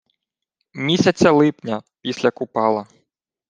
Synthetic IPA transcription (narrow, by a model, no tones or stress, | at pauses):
mʲisʲɐt͡sʲɐlˠɪpnʲɐpʲisʲlʲɐkʊpɑlˠɐ